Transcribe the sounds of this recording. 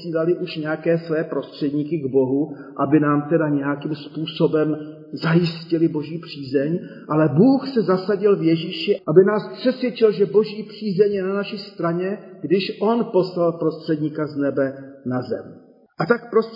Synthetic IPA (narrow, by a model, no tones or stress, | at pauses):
siːlalɪʔuʃɲɛjakɛːsvɛːpɾo̞st̪r̥ɛdɲiːkɪɡbo̞ɦu | ʔabɪnaːmt̪ɛdaɲɛjakimspuːso̞bɛm | zajɪscɪlɪbo̞ʒiːpr̝̥iːzɛɲ | ʔalɛbuːxsɛzasaɟɪlvjɛʒiːʃɪʔabɪnaːspr̥ɛsvjɛt͡ʃɪlʒɛbo̞ʒiːpr̥iːzɛɲjɛnanaʃɪst̪ɾaɲɛɡdɪʃʔo̞npo̞slalpɾo̞st̪r̥ɛdɲiːkaznɛbɛnazɛ̰m | ʔat̪ak̚pɾos